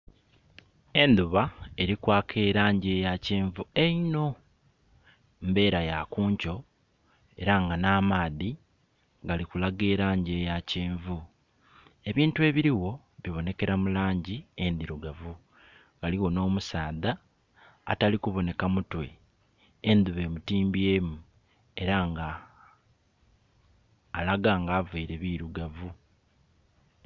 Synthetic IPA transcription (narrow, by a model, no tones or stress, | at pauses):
e̞nd̪uβae̞ɾikwaːkʰeːɾaːɲɟeːjaciːɱvue̞ino̞ | mbe̞ːɾajakuːɲco̞ | e̞ɾaŋɡanaːmaːði | ɡalikulaɡeːɾaːɲɟejaciːɱvu | e̞βiːntue̞ːβiɾiwo̞ | βiβo̞ne̞ke̞ɾamulaːɲɟiend̪iɾuɡavu | ɡ̥aliwo̞no̞ːmusaːða̰ː | talikuβo̞ne̞kamutwe̞̰ | end̪uβe̞ːmutiːmbijeːmu | e̞ɾaŋɡa | laɡaːŋɡaːveiɾe̞βiɾuɡavu